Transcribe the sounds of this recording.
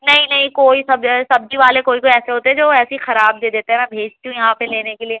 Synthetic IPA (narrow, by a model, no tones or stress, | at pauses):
nɐɦĩnɐɦĩkoːisɐbsɐb̚d͡ʒiʋaːlekoːikoːiɛːseɦoːt̪eɦɛd͡ʒoːɛːsixɐɾaːb̚d̪eːd̪eːt̪eɦɛmɛ̃bʱeːd͡ʒt̪iɦũjɐɦãpeleːnekelieː